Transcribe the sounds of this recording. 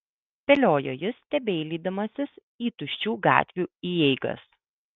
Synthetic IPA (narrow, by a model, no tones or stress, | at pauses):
pʲɛlʲoːjoːjɪst̪ʲɛbʲɛɪlʲiːd̪ɐmɐsʲɪs | iːt̪ʊʃʲt͡ʃʲuːɡɑ̰ːt̪ʲʋʲuːiːjɛɪɡɐ̰s